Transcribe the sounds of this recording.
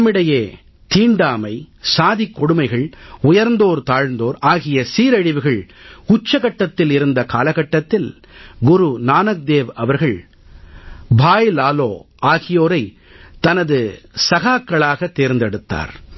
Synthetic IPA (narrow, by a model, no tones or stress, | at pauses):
mːɪɽɐjeː | t̪iːɳɖaːmɐɪsaːðikːɔɽɯmɐɪɣɐɭʊjɐɾnd̪oːɾt̪aːɻnd̪oːɾaːɣɪjɐsiːɾɐɻɪʋɯɣɐɭ | kʊt͡ʃːɐɣɐʈːɐt̪ːɪlɪɾɯnd̪ɐkaːlɐɣɐʈːɐt̪ːɪl | ɡʊɾunaːnɐk̚d̪eːʋɐʋɐɾɣɐɭ | bʱaːjlaːloː | aːɣɪjoːɾɐɪ | t̪ɐnɐðɯsɐɣaːkːɐɭaːɣɐt̪ːeːɾnd̪ɛɽɯt̪ːa̰ːɾ